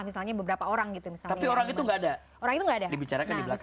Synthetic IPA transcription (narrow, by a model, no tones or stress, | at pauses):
misalɲabəbəɾapaoɾaŋɡit̪umisalt̪apioɾaŋit̪uŋɡaːda | oɾaŋit̪uŋɡaːdadibit͡ʃaɾakandibəlas